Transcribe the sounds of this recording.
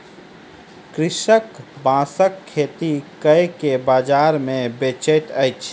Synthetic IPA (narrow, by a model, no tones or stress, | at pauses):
kɾɪʃəkbãːsəkʰːeːt̪ikəjkebaːd͡ʒaːɾmẽbet͡ʃejt̪əjt͡ʃʰ